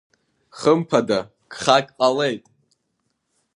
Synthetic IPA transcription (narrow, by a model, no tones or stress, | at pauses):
χəmpʰada | ɡ̥χakʲʼqʼale̞jtʼ